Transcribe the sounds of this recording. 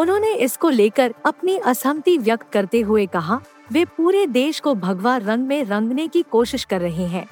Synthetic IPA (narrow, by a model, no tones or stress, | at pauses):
ʊnɦõːneʔɪskoleːkəɾɐpniʔɐsəmt̪iʋjɐk̚t̪̚kɐɾt̪eɦʊekɐɦa | ʋeːpuːɾed̪eːʃkobʱɐɡʋaɾːɐ̃ŋɡmẽɾɐ̃ŋɡnekikoːʃɪʃkɐɾːɐɦeɦɛ̃ː